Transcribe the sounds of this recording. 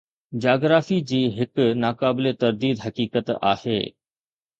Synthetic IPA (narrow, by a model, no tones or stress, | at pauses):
d͡ʑaːɡɾaːfid͡ʑiːɦɪknaːkaːbɪlet̪ɐɾd̪iːd̪ɦɐkiːkət̪a̰ːhḛː